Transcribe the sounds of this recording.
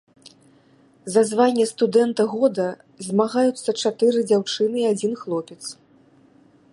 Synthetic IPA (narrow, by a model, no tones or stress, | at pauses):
zazvanʲːɛst̪ud̪ɛnt̪ɐɣɔd̪ɐ | zʲmaɣajut̪sːɐt͡ʂat̪ɨɾɨd͡zʲawt͡ʂɨnɨiad͡zʲinxlˠɔpʲɛt̪s